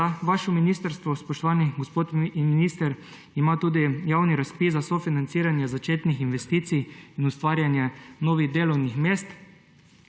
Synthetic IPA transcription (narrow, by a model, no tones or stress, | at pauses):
aʋaːʃɔminiːst̪əɾst̪ʋɔspɔʃt̪ɔʋaːniɡospoːt̪miniːst̪ɛɾ | imat̪uːd̪ijawniɾaspiszasɔfinant̪siɾanjazat͡ʃeːt̪nixinʋɛst̪iːt̪sijinust̪ʋaːɾjanjanoːʋiɣd̪eːlɔwnixmeːst̪